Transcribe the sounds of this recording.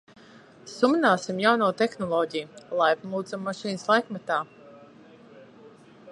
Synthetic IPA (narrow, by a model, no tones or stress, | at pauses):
sumnaːsimjawnuːt̪exnɔlˠɔːɟʲijulˠajpmuːd̪zamːaʃiːnslˠajkmɛt̪aː